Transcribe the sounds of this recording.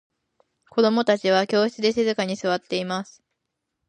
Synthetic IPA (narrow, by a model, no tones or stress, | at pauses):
ko̞d̪o̞mo̞t̪at͡ɕiβ̞akʲo̞ːçi̥t͡sɨd̪e̞sezɨkaɲ̟isɨβat̪ːe̞imasɨ̥